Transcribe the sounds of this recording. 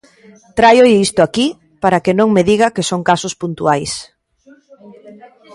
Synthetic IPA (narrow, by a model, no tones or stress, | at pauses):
t̪ɾajoist̪ʊaki | paɾakenõŋmeðiɣɐkesoŋkasʊspunt̪uajs